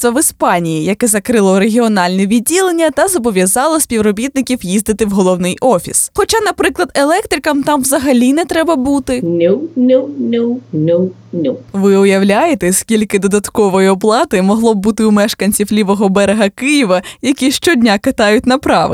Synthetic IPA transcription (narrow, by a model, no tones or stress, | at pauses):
t̪ʋɐʋɪspɑnʲijijɐkɛzɐkɾɪlˠɔɾeɦʲiɔnɑlʲnɛʋʲid̚ʲilˠenʲːɐt̪ɐzɔbɔʋʲjɐzɑlˠɐsʲpʲiwɾɔbʲit̪̚nɪkʲiwjizd̪ɪt̪ɪwɦɔlˠɔwnɪjʔɔfʲḭsxɔt͡ʃɑnɐpɾɪklˠɐd̪elˠɛk̚t̪ɾʲɪkɐmt̪ɑmʋzɐɦɐlʲinɛt̪ɾɛbɐbut̪ɪnʲʊnʲunʲunʲu | nʲuʋɪʊjɐwlʲajet̪ɛskʲilʲkɪd̪ɔd̪ɐt̪kɔʋɔjiɔplˠɑt̪ɪmɔɦlˠɔb̚but̪ɪumɛʃkɐnʲt͡sʲiwlʲiʋɔɦɔbɛɾeɦɐkɪjiʋɐjɐkʲiʃt͡ʃɔdʲnʲakɐt̪ɑjʊtʲnɐpɾɑʋɪ̰